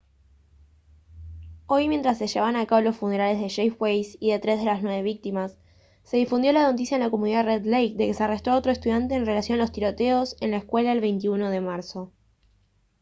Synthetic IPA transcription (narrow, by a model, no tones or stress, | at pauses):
o̞jmjent̪ɾas̬ːeʃeβaβanakaβlo̞sfune̞ɾale̞zðeʃejfwejsiðe̞t̪ɾe̞zðe̞lasnwe̞βe̞β̞ik̚t̪imasː | e̞ðifund̪jo̞lanot̪̬isjaenlakomuniðareðlejk̚d̪e̞ke̞searest̪ɾoo̞t̪ɾo̞est̪uðjant̪e̞ːnre̞lasjo̞nalo̞st̪iɾo̞t̪eo̞se̞nlaeskwe̞laðelβe̞jnt̪iuno̞ð̞e̞maɾso̞